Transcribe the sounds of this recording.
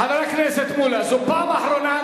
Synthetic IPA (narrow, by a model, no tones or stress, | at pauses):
aðaɾaknɛset̪muːlasʊpːaːmaħɾona